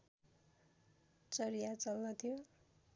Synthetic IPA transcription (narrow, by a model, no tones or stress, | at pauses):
t͡sʌɾijat͡sʌlnʌt̪ʰijo